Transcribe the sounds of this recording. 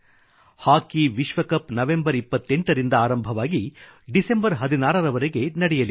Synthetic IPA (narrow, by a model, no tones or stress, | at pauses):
haːkiʋiʃʋɐkɐpnɐʋe̞mbɐɾipːɐt̪ːe̞ɳʈɐɾind̪ɐaːɾɐmbʱɐʋaːɡiɖise̞mbɐɾɦɐd̪inaːɾɐɾɐʋɐɾeɡe̞nɐɽɛjɐli